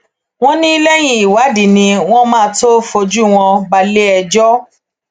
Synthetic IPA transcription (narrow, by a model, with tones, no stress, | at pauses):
w̃ɔ̃˦nĩ˦i˦lɛ˦j̃ĩ˧i˨wa˨˦di˨nĩ˧w̃ɔ̃˦mãː˦˧to˦fo˧d͡ʒu˦w̃ɔ̃˧ba˧le˦ɛ˧d͡ʒɔ˦